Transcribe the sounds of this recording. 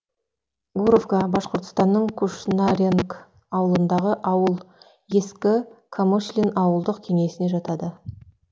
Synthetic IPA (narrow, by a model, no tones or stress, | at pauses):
ɡuɾovkabɑsqəɾt̪ə̥st̪ɑnːəɴkʰuʃnaɾʲeŋk | ɑwəlˠənd̪ɑʁəʔɑwəlˠ | je̞skʲɪkʰamoʃlʲinɑwəlˠd̪əqkʲʰe̞ŋe̞sɪne̞ʒɑt̪ɑd̪ə